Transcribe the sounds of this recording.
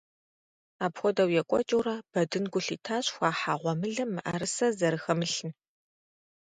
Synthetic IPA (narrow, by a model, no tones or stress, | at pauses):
aːpxʷɔdɐwjɛkʷʼɔ̰t͡ʃʼɐwraːb̥ɐdɨnɡʷʊɬiːtʰaːɕxʷaːħaːʁʷɔmɨɮɐmːɨʔɐɾɨsɐzɐɾɨxɐmɨɬɨn